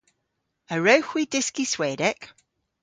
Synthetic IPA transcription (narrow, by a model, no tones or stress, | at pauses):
əɹəʊxwidɪskiswɛːdɛk